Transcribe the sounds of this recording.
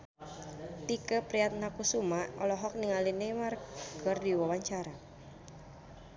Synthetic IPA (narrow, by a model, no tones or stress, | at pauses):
t̪ikəpɾiat̪̚nakusumaɔlɔɦɔk̚niŋalinɛmarkərdiwawaɲt͡ʃaɾa